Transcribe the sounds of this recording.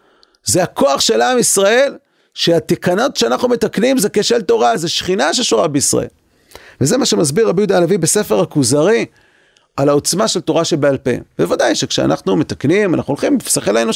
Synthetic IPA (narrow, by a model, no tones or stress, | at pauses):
zeako̞aχʃe̞laːmisʁae̞l | ʃeat̪ikano̞tʃeanaχnume̞t̪aknimzekeʃelt̪o̞ʁazeʃχinaʃe̞ʃoʁabeisʁa̰ʔḛl | vezemaʃemazbiʁːabijud̪alavibese̞fe̞ʁakuzaʁi | alao̞t͡smaʃe̞lt̪o̞ʁaʃebealpḛvevad̪ajʃekʃea̰nʔaχnume̞t̪aknimana̰χnuolχimsaχelaeno